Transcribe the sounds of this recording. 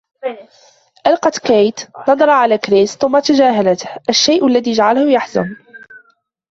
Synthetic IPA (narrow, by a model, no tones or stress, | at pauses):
ʔalqɑt̪kajt̪nɑd̪ˤɑɾˤɑʕalakɾɪsθʊmːat̪ad͡ʒaːɦalat̪hʔaʃːajʔʊlːaðiːʒaʕalhʊjaħzʊ̰m